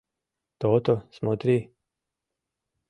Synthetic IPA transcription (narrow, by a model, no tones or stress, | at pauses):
t̪oːt̪osmot̪ɾi